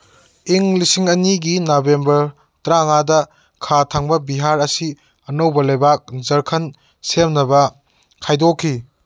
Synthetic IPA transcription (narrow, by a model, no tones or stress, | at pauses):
iŋlisiŋɐniɡinabembɐɾ | tɾaŋadɐ | kʰatʰaŋbɐbiɦaɾɐsi | ɐnowbɐlɐjbak̚zɐɾkʰɐn | semnɐbɐ | kʰajdokʰːi